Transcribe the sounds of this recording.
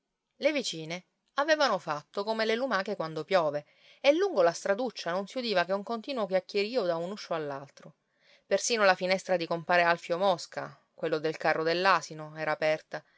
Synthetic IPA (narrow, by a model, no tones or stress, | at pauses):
levit͡ʃiːne | aveːvanofat̪ːokomelelumaːkekwand̪opjɔːve | elːuŋɡolast̪ɾad̪ut͡ʃːanonsiud̪iːvakeuŋkont̪iːnwokjakːeɾiːod̪aunuʃːoalːalt̪ɾo | persiːnolafinɛst̪ɾad̪ikompaːɾealfjomɔska̰ | kwelːod̪elkarːod̪elːaːsinoɛːɾaːpɛrt̪a